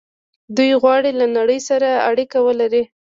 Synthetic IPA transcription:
d̪ujɣwɑɽilanaɽəjsaɾaa̰ɽikawəlaɾi

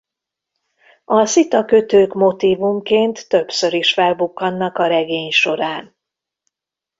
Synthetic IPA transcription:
ɒsit̪ɒkøt̪øːkmo̞t̪iːvumkeːnt̪ːø̞bsø̞ɾiʃfɛlbukːɒnːɒkɒɾɛɡeːɲʃo̞ɾaːn

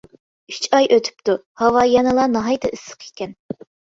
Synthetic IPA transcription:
yt͡ʃɑjʔøt̪ʰy̥p̚t̪u | hɑwɑːjɑnɨlˠɑnɑɦɑjt̪ɨʔɨsːə̥qʰi̥kʲɛn

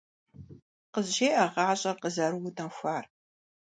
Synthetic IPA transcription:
qəzɕeːʔɐʁɑːɕʼɐqəzɐɾuwʊtʰɐmxʷaːr

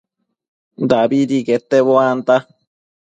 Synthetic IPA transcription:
d̪abiɾiket̪ːeβoant̪a

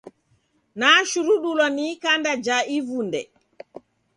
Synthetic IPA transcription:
naːʃuɾuɗulɔnikandad͡ʒaʔivundɛ

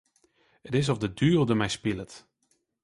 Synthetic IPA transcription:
ətɪs̬ɔvdədyːlˠdəmɛjspilət

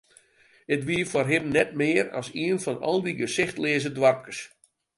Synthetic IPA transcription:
ətʋiːəfɔrɦɪbnɛt̚mɪərɔ̰siənfɔnɔ̰lˠdiɡəsɪxtlɪːzədwarp̚kəs

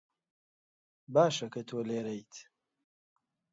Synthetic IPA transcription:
baːʃɐkɐt̪ʰoːleːɾejt̪

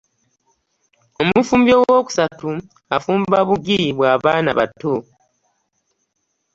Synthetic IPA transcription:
o̞mufuːmbjowo̞ːku̥satu | afuːmbaβuɡiiβwaːβaːnaβa̰tːo

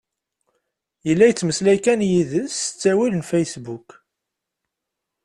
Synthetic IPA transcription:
jəlːæjət͡sːməslæjkænjiðəsət͡sːæwilənfejsbuk

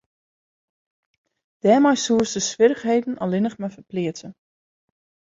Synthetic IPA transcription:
d̥ɛːmɔjsuːərsdəsʋɪɾəxɦejdən̩ɔlɪnəχmɛjfəplɪətə

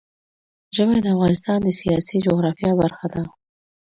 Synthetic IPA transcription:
ʒəmed̪əafɣɑnɪst̪ɑnd̪əsijɑsid͡ʒoɣɾɑfjɑbaɾxad̪a

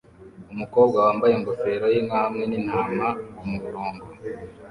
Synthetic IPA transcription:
umuko̞ːbɡawaːmbaje̞ŋɡofe̞ɾojeŋɡamŋeninhaːmawumuvuɾoːŋɡo

